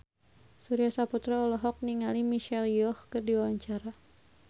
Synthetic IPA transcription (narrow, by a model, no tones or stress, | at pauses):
suɾiasaput̪ɾaɔlɔɦɔk̚niŋalimiʃɛljɔhkɨrdiwawaɲt͡ʃaɾa